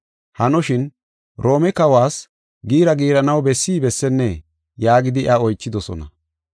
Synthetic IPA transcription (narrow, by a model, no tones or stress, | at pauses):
hɐnɔʃɪn | ɾo̞ːmɛkɐwaːs | ɡiːɾɐɡiːɾɐnɐwbɛsːiːbɛsːɛnːɛ | jaːɡɪd̪ɪʔɐɔjt͡ʃːɪd̪ɔsɔ̰nɐ̰